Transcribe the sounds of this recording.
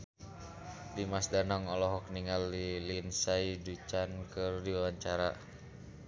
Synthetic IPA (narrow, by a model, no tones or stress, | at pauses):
dimasdanɔŋɔlɔɦɔk̚niŋalːilinsaidut͡ʃankɨrdiwawaɲt͡ʃaɾa